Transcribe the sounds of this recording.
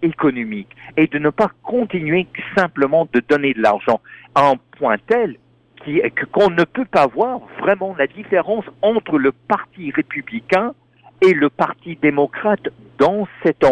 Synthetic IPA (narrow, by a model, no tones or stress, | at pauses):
ekɔnɔmiked̪ənəpakɔ̃t̪inɥesɛ̃pləmɑ̃d̪əd̪ɔned̪əla̰ʁʒɑ̃ɛ̃pwɛ̃t̪ɛl | kʲikɔ̃nəpøpavwaʁvʁɛmɑ̃lad̪ifeʁɑ̃sɑ̃t̪χələpaʁt̪iʁepyblikɛ̃ | eləpaʁt̪id̪emɔkχat̪ | d̪ɑ̃sɛt̪ɑ̃